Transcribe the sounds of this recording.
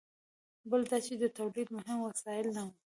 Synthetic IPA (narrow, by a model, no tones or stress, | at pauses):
bəld̪ɑt͡ʃed̪ət̪awlid̪mʊɦɪmwasɑjɪlnawu